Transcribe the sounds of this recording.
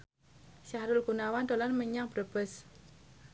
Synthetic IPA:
saɾʊlɡ̥unawand̪o̤lanməɲaŋb̥ɾəb̥əs

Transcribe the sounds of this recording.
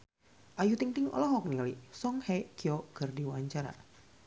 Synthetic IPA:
ʔajut̪iŋt̪ɪŋɔ̰lɔɦɔk̚nialisɔŋhɛkiɔkərdiwaɲt͡ʃaɾa̰

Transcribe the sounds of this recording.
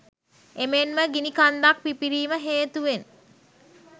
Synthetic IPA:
emenməɡinikand̪ak̚pipiɾiːməɦeːt̪uʋen

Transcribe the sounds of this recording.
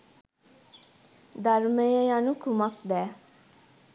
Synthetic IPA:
d̪aɾməjejanukumakd̪ɛː

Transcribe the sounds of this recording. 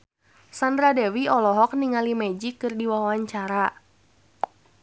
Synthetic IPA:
sandɾadɛwiɔlɔɦɔk̚niŋalimɛd͡ʒikɨrdiwawaɲt͡ʃaɾa

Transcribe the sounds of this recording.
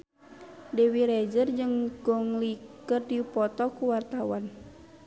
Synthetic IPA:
dɛwiɾɛd͡ʒərd͡ʒɨŋɡɔŋlikərdipɔt̪ɔkuwart̪awan

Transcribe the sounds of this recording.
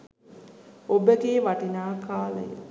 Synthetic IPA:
obəɡeːʋaʈinaːkaːlə̰jə̰

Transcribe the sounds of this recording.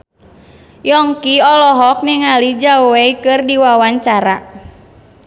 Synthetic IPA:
jɔŋkiɔlɔɦɔk̚niŋalid͡ʒaweikɨrdiwawaɲt͡ʃaɾa

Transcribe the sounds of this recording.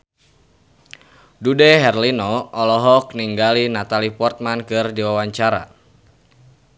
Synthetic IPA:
dudɛɦɛrlinɔɔlɔɦɔk̚niŋɡalinat̪alipɔrt̪̚mankɨrdiwawaɲt͡ʃaɾa̰

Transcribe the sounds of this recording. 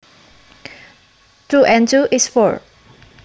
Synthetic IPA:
tuʔɛ̃ntuʔisfɔɹ

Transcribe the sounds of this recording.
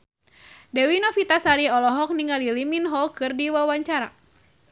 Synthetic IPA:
dɛwinɔfit̪asaɾiɔlɔɦɔk̚niŋaliliminɦɔkɨrdiwawaɲt͡ʃaɾa̰

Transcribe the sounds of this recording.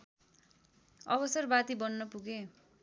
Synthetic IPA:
ʌbʌsʌrbat̪ibʌnːʌpuɡe

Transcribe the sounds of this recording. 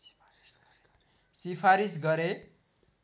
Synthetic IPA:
sipʰaɾisɡʌɾe

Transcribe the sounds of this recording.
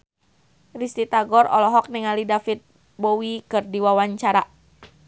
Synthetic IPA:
rist̪it̪aɡɔɾɔ̰lɔɦɔk̚niŋalidafit̪̚ | bɔwikɨrdiwawaɲt͡ʃaɾa

